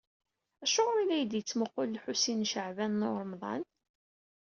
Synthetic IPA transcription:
æʃʊʁɾilæjəd̪jət͡sːməqːolːħusinʃəʕvænːoɾˤmðˤɑ̰n

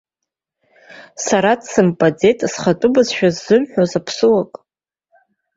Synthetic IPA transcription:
saɾadsɨmpʼad͡ze̞tʼsχatʼʊbazʃᶣazːɨmħʷᶣozapʰsɨwakʼ

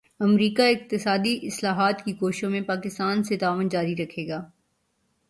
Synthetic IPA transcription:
ɐmɾiːkaɪq̚t̪ɪsaːd̪iʔɪslaːɦaːt̪kikoːʃʃõmẽpaːkɪst̪aːnset̪aːʋənd͡ʒaːɾiɾɐkʰeːɡaː

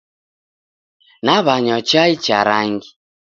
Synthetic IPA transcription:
naβaɲɔt͡ʃait͡ʃa̰ɾaŋɡi

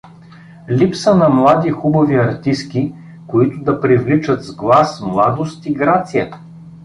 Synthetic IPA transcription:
lipsənɐmlˠad̪ixubɐviɐɾt̪ist̪kʲi | koit̪ʊd̪ɐpɾivlit͡ʃət̪zɡlˠasmlˠad̪ost̪iɡɾat̪sijə

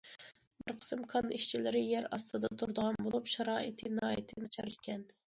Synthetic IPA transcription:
bɨɾqʰə̥sɨmkʰɑniʃt͡ʃʰilɪɾɪjɛɾɑst̪ʰɨd̪ɑt̪ʰuɾd̪əʁɑnbolˠupʃɑɾɑːit̪ʰɪnɑːit̪ʰɪnɨt͡ʃʰɑɾkʲʰːɛn

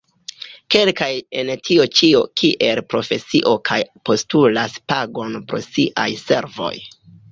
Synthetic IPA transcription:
ke̞lkajentʰiot͡ʃiokʰiʔe̞lpɾo̞fe̞siʔo̞kʰajpo̞stulaspaɡo̞npɾo̞̰siʔa̰jse̞̰ɾvo̞̰j

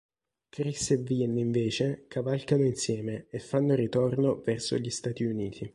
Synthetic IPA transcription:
kɾisevinːiɱveːt͡ʃekʰavalkanoinsjɛːmeefːanːoɾit̪ornovɛrso̰ʎist̪aːt̪iuniːt̪ʰi

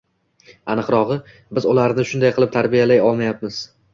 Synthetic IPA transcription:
anɨqɾɒʁɨ | bɪzʊlaɾnɪʃʊnd̪ajqʰɨlˠɪp̚t̪ʰaɾbijalajɒlˠmajap̚mɪz̥

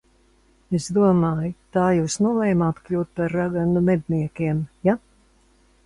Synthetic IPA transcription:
esd̪uɔmaːjt̪aːjuːsnuɔlˠɛːjmaat̪kʎʲuːt̪̚paɾːaɡanumɛd̪ʲniɛkʲiɛmja

